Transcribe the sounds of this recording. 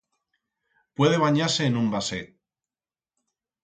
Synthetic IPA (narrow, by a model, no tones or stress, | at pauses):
pwe̞ð̞e̞β̞aɲaɾse̞ːnũmbaset̪̚